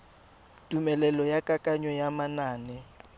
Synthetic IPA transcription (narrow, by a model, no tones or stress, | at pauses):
tʼumɛlɛlɔjakʼakʼaɲɔjamanaːnɛ